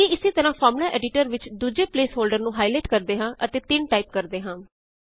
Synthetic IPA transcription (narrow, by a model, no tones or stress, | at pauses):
ĩːɪseːt̪əɾãːpʰɔːɾmlaːʔɛːɖɪʈəɾʋɪt͡ʃd̪uːd͡ʒeːpleːsɦoːlɖəɾnũːɦaːileːʈkəɾd̪eːɦãːʔət̪eːt̪ɪnʈaːip̚kəɾd̪eːɦãː